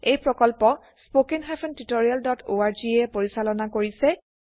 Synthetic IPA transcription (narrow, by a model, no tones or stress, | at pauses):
ejpɹɔkɔlpɔ | spokinɦajpʰɔntitoɹijaldɔtʰoaɹd͡ʒiɛpoɹisalɔnakoɹisɛ